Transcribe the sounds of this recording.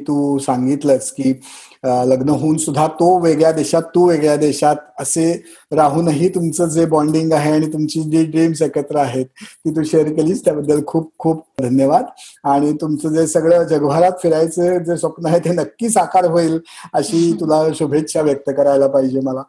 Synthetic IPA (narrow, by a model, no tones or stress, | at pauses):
t̪uːsaŋɡit̪ləskiː | ələɡnəɦoːnsud̪ʱːat̪oʋeɡɭjad̪eɕat̪ːuʋeɡɭjad̪eɕat̪̚əse | ɾaɦuːnəɦiːt̪umt͡səd͡zebɔɳɖiŋɡaɦeaɽ̃it̪umt͡ɕiːɖiɖɾimsekət̪ɾəaɦet̪̚kiːt̪uːɕeəɾkeliːst̪jabəd̪ːəlkʰuːp̚kʰuːpd̪ʱənjəʋad̪aɽ̃it̪umt͡səd͡zesəɡɭəd͡ʑəɡəʋʱaɾat̪fiɾajt͡sed͡zesʋəpnaɦet̪ʰenəkːiːsakaɾɦoiːləɕiːt̪ulaɕubʱetːɕʰaʋjək̚t̪əkəɾajlapaɦid͡ʑeməla